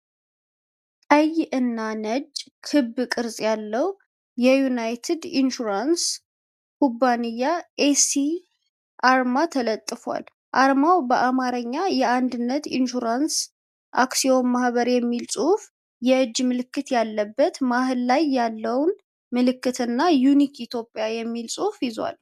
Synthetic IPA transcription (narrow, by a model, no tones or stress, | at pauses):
əjʔɨnːanəd͡ʒ | kʰɨbːkʼɨɾsʼjalːəw | jɛjunajt̪ʰɨd̪inʃuɾans | kubːanijːaʔesi | ʔaɾmat̪ʰələt̪ʼːɨfa̰l | ʔaɾmawbəʔamaɾəɲːajɛand̪ɨnːət̪ḭnʃuɾans | ʔa̰ksio̞mmahβəɾjɛmːilsʼuhf | jɛɨd͡ʒːmɨlɨkːɨt̪jalːəbːət̪mahɨlːajːalːəwn | mɨlɨkːɨt̪ʰɨnːajunikit̪ʰjo̞pʼːjajɛmːilsʼuhfjɪzwa̰l